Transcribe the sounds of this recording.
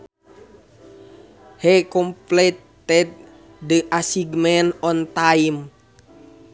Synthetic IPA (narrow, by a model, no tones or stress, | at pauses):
hɛkɔmplɛt̪ː | ɛt̪̚ | dəʔasiɡmɛnɔnt̪aim